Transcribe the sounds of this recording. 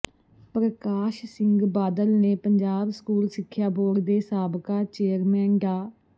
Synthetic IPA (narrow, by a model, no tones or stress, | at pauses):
pɾəkaːʃsɪŋɡbaːd̪əlneːpəɲd͡ʒaːbsə̥kuːlsɪkʰːjaːboːɽd̪eːsaːbkaːt͡ʃeːɾmɛ̃ːŋɡaː